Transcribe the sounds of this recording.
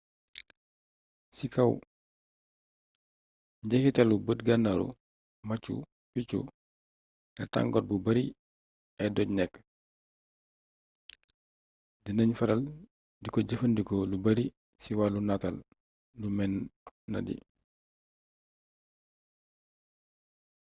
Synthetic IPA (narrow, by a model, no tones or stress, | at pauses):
sikɐw | ɲɟɛkitɐlubətɡanaɾṵ | mɐt͡ʃṵ | pit͡ʃṵ | ɡɐta̰ŋɡɔt̚bubɐɾi | ɛdɔɟnɛkː | dinɐɲfɐɾɐl | dikɔɟəfɐndikɔlubɐɾi | siwalunatal | lumɛnːɐ̰dḭ